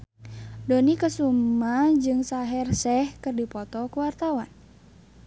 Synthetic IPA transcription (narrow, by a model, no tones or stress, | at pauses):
donikəsumad͡ʒɨŋsaɦɛrsɛhkɨrdipɔt̪ɔkuwart̪awan